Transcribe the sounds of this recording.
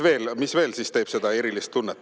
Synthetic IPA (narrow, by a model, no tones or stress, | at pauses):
ve̞ːlmisve̞ːlsist̪e̞ːb̥se̞d̪̥ɑe̞ɾilist̪t̪unːet̪ːˑ